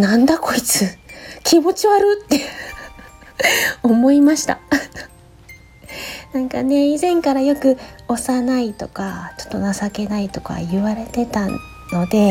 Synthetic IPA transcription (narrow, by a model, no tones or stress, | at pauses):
nãnd̪ako̞it͡sɨkʲimo̞t͡ɕiβaɾɯ̟t̪ːe̞ | o̞mo̞imaɕi̥t̪a̰ | nãŋkane̞izẽ̞ŋkaɾajo̞kɯ̟o̞sanait̪o̞kat͡ɕo̥t̪ːo̞nasake̞nait̪o̞ka̰jɯ̟βaɾe̞t̪e̞t̪a | no̞d̪e̞